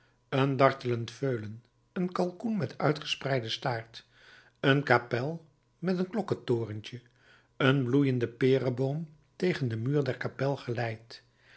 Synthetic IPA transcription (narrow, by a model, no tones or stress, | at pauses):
əndɑɹtələntføɥlən | ənkɑlˠkunmɛtʰœ̰ɥtχə̥sprɛjdəstaːɹt | ənkapɛlˠ | mɛtənklɔkətoːrəncə | ənblujəndəpɪːrəbowm | tejχəndəmyːɹdɛɹkapɛlˠχəlɛjt